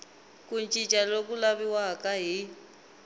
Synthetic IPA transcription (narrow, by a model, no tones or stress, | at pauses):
kunt͡ʃʼit͡ʃʼalokulaβiwakʼaɦi